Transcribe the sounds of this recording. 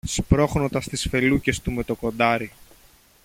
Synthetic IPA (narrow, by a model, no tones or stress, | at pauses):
spɾo̞xno̞t̪ɐst̪isfe̞luce̞st̪ume̞t̪o̞ko̞nd̪ɐɾi